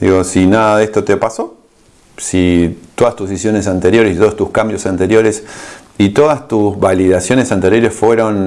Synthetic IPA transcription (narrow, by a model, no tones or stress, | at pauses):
d̪ḭɣo̞sinaðaðest̪o̞t̪epaso̞ | sit̪o̞ðast̪usisjo̞ne̞s̬ant̪e̞ɾjo̞ɾesit̪ost̪uskambjo̞sant̪e̞ɾjo̞ɾes | it̪o̞ðast̪uzβaliðasjo̞ne̞sant̪e̞ɾjo̞ɾe̞sfwe̞ɾo̞n